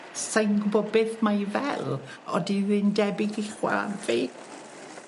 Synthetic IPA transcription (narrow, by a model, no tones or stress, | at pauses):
sajnɡbɔbɪθmajvɛlˠ | ɔ̰diwɨndɛbɪɡɪχwɛ̰la̰nfe